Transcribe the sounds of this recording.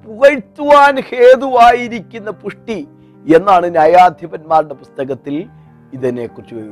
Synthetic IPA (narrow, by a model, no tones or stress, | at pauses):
puɣɐɻt̪ːuʋaːnhe̞ːd̪uʋaːjiɾikʲːunːɐpuʂʈi | e̞nːaːɳɨnjaːjaːd̪ʱjɐbɐnmaːruɽepust̪ɐɣɐt̪ːil | iðɐnekːurt͡ɕːuʋɐj